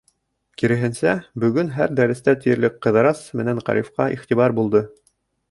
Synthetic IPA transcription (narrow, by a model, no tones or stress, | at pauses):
kiɾɘ̆ɦɘ̆nsæbɵ̆ɡɵnɦæɾd̪æɾɘ̆st̪æt̪ɘ̆jɘ̆ɾlɘkqɤ̆ðɤ̆ɾɑsmɘ̆næɴqɑ̰ɾifqɑʔiχt̪iβɑɾbulˠd̪ɤ